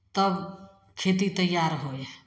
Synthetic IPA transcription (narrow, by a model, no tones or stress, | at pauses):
t̪ʌb | kʰet̪it̪əjːaɾɦoje